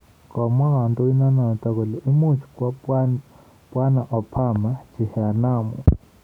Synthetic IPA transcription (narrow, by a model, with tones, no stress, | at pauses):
kɔ˨ma˦ka˨ntʼɔ˦i˦na˦na˨t̪a˦˨kɔ˨lɛ˨ʔu˦mu˦t͡ʃʰi̥˨kwa˦ | pʼwa˦na˨ʔɔ˨pʰa˦˨ma˦t͡ʃʰi˨ha˨naː˨mṵ˨